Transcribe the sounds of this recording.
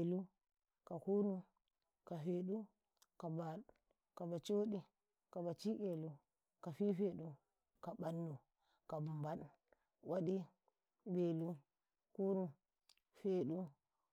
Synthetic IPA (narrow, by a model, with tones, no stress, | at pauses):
e˨lu˦ | ka˨ku˦ɾu˦ | ka˨fe˨ɗu˦ | ka˨ba˨ | ka˨ba˨t͡ʃo˦ɗi˦ | ka˨ba˨t͡ʃi˦ke˨lu˦ | ka˨fi˦fe˨ɗu˦ | ka˨ba˦nːu˨ | ka˨bu˨mba˦ɗ | wʔa˦ɗi˦ | be˨lu˦ | ku˦ɾu˦m | fe˨ɗu˦